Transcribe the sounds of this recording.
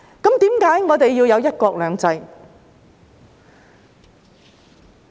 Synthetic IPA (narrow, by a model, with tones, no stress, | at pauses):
kɐ˨˥mt̪iː˨˥mkaː˨˥jŋɔː˨˧t̪e˨jːiː˧wjɐ˨˧wjɐ˥t̚kɔː˧k̚lœː˨˧ŋt͡sɐ˧j